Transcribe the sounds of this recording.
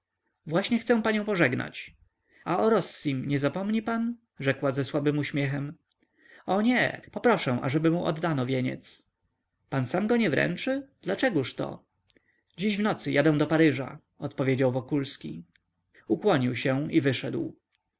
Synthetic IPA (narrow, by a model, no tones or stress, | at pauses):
vwaɕɲɛxt̪sɛ̃w̃paɲɔ̃w̃pɔʐɛɡna̰t͡ɕ | aɔɾɔsːimɲɛzapɔmɲipan | ʐɛkwazɛswabɘmuɕmʲjɛxɛm | ɔɲɛpɔpɾɔʂɛ̃w̃ʔa̰ʐɛbɘmuʔɔ̰d̪ːanɔvʲjeɲɛ̰t̪s | pansamɡɔɲɛvɾɛ̰nt͡ʂɘd̪lat͡ʂɛɡuʂt̪ɔ̰ | d͡ʑiʑvnɔt̪sɘjʔad̪ɛw̃d̪ɔpaɾɘʐa̰ | ɔt̪pɔvʲjed͡ʑawvɔkulskʲḭ | ukwɔɲiwɕɛivɘʂɛd̪w